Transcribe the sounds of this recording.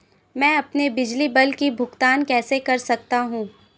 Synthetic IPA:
mɛ̃ːɐpnebɪd͡ʒlibɐlkibʱʊɡt̪aːnkɛːsekɐɾsɐk̚t̪aɦũː

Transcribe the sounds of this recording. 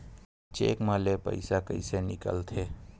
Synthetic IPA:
t͡ʃḛːkmãlepə̰ɪsakə̰ɪsenɪkə̰lt̪ʰeː

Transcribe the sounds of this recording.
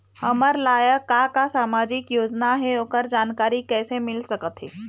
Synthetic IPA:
hɐməɾlaːjəkakasaːmaːd͡ʒɪkjoːd͡ʒnaɦɛoːkəɾd͡ʒaːnkaːɾikɛːsemɪlsɐkət̪ɦɛ̰ː

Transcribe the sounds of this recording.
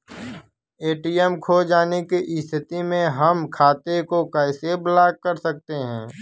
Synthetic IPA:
eːʈiːɛmkʰoːd͡ʒaːnekiʔɪst̪ʰɪt̪imẽɦəmkʰaːt̪ekokɛɪseblaːkkəɾsɐk̚t̪eɦɛ̰̃ː

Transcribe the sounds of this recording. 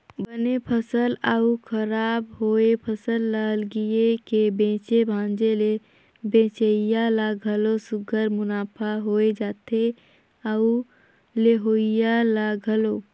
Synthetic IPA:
bənepʰəsələukʰəɾaːbɦoepʰəsəlːəɦəlɡiekebẽːt͡ʃebʱãːnd͡ʒele | bẽːt͡ʃəɪjalaɡʱəlosʊɡʱəɾmʊnaːpʰaɦoːed͡ʒaːt̪ʰe | əu | leɦoːjalaɡʱəloː

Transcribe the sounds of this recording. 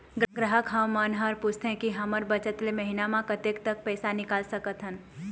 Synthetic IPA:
ɡɾɡɾəɦəkɦəwmənɦəɾpʊst̪ɦɛ̃kiɦəməɾbət͡ʃət̪leməɦinamãkət̪ek̚t̪ək̚pɛːsanɪkaːlsəkət̪ɦən

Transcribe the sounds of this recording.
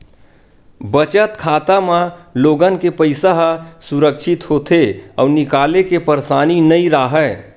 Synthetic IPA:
bət͡ʃət̪kʰat̪amaloɡənkepəɪsaɦsuɾəkʃʰit̪ɦot̪ʰeə̰unikalekepəɾsaninəiɾəɦɛ

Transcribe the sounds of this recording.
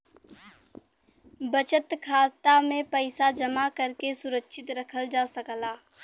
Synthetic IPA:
bət͡ʃət̪kʰaːt̪amẽpəɪsad͡ʒəmakəɾkesʊɾəkʃʰɪt̪ɾɐkʰəld͡ʒaːsəklaː

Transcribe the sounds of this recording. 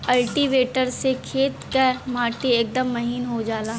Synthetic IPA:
ɐlʈiʋeːʈəɾsekʰeːt̪kəɾmaːʈieːk̚d̪əmːɐɦiːnɦod͡ʒaːlaː

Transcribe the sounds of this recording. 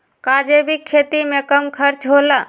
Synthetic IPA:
kaːd͡ʒebʱikʰːeːt̪imẽkəmkʰəɾt͡ʃɦola

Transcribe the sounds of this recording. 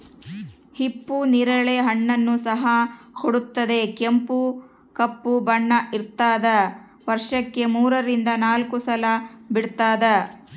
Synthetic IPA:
hipːuniɾɐɭeɦɐɳːɐnːusɐɦɐkoɽut̪ːɐd̪e̞kempu | kɐpːubɐɳːɐʔiɾt̪aːd̪ɐ | ʋɐɾʂɐkːe̞muːɾɐɾind̪ɐnaːlkusɐlɐbiɽt̪aːd̪ɐ

